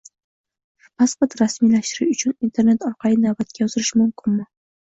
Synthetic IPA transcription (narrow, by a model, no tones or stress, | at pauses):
pʰaspoɾt̪ɾasmilaʃt̪ɪɾɪʃʊt͡ʃʰʊnint̪ʰe̞ɾne̞t̪ɒɾqʰɑlinavbat̪̚kʲajɒzɪɾɪʃmʊmkʲʰɪnmɪ